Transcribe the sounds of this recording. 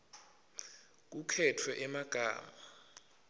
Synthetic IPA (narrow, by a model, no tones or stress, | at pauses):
k̬ukʰɛtʰwɛʔɛmaɡ̥ʱa̰ːma